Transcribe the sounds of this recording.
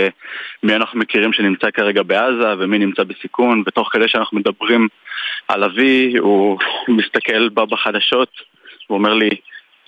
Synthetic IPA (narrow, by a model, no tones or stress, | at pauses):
emianaχnume̞kiʁimʃe̞nimt͡sakaʁe̞ɡabe̞azave̞minimt͡sabesikunvet̪o̞χkedeʃeanaχnumed̪abʁima̰laviumist̪ake̞lbabaχadaʃo̞t̪ | uome̞ʁli